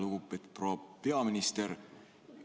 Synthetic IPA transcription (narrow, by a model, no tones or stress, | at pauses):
lukupet̪proːpe̞ɑminist̪eɾ